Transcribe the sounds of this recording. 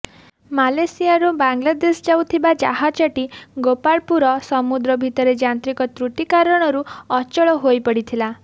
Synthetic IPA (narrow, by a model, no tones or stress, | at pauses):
malesiaɾubaŋɡlad̪esd͡ʒawt̪ʰibad͡ʒa̰ɦat͡ʃɔʈiɡopaɭpuɾɔsɔmud̪ɾɔbʱit̪ɔɾed͡ʒant̪ɾikɔt̪ɾuʈ̪ikaɾɔɽ̃ɔɾuɔt͡ʃɔɭɔɦojpɔɽit̪ʰila